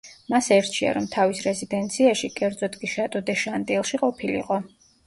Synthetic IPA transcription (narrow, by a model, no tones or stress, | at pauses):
masɛɾt̪ʰʃʰia̰ɾɔmt̪ʰavisɾɛzid̪ɛnt̪sʰiaʃikʼɛɾd̪zɔt̪ɡʼiʃat̪ʼɔd̪ɛʃand̪ʼilˠʃiqʼɔpʰilḭqʼɔ